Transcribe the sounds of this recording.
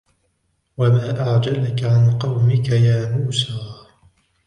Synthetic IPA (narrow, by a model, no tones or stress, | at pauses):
wamaːʔaʕd͡ʒalkaʕanqɑwmɪkajaːmuːsaː